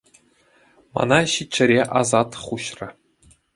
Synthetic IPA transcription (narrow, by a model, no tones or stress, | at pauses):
mɑ̰nɑɕit͡ɕːɘ̆ɾʲeʔɑzɑt̪χuɕrɘ̆